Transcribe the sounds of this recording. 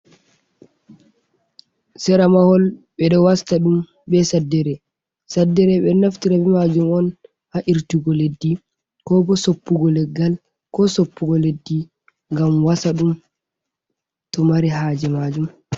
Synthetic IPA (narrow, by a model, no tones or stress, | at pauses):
sɛɾamahɔlɓɛɗɔwastaɗum | bɛsadːɛɾɛ | sadːɛɾɛɓɛnaftiɾabɛmad͡ʒumɔn | haʔiɾtiɡɔledːi | kɔbɔsopːuɡɔlɛɡːal | kɔsopːuɡɔledːi | ŋɡamwasaɗum | tɔmaɾiɦaːd͡ʒɛmad͡ʒum